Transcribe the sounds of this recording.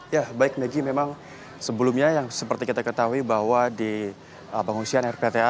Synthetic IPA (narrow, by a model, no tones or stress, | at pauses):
jabaɪk̚meɡimemaŋ | səbəlumɲajaŋsəpərt̪ikit̪akət̪aɦuibaɦwadi | əpaŋunsianɛrpet̪ea